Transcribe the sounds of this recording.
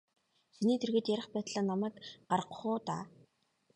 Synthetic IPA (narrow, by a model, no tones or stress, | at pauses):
ʃiniːt̪ʰerɣĕːt̪jæɾʲɪ̆χpæːt̪ɮaːnːamæːkɢarəqχʊːt̪a̰ː